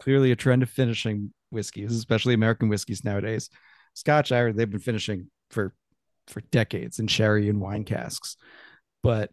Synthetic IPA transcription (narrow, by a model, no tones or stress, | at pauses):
kʰl̥ɪɹlˠiɨtʰɹ̥ɛ̃ndʌv̥fɪ̃nɨʃɪ̃ŋ | wɪskizɨspɛʃl̩ˠiɨmɛɹɨkn̩wɪskiznaʊɨɾeɪz̥ | skɑt͡ʃaɪɹðeɪvbɨ̃nfɪ̃nɨʃɪ̃ŋ | fə˞ | fə˞d̥ɛkeɪdz̥ɨ̃nʃɛɹiɨ̃nwãɪ̃nkʰæ̰sks | b̥ʌt̚